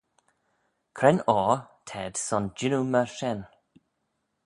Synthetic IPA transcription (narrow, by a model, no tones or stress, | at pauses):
kʰɾɛnɔːtʰɛːd̥sɔnd͡ʒɪnuməʃɛn